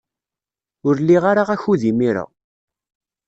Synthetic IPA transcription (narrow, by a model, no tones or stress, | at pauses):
ʊɾlːiʁaɾaʁæçuðimiɾa̰